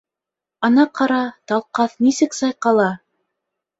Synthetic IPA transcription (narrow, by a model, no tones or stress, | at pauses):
ɑnɑqɑɾɑt̪ɑlˠqɑθnisɘksɑjqɑlˠɑ